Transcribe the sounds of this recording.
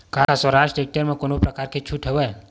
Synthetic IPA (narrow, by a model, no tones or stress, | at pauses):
kaɾaswəɾaʃʈɾek̚ʈəɾmẽkonopɾəkaːɾket͡ʃʰuʈʰɦeʋe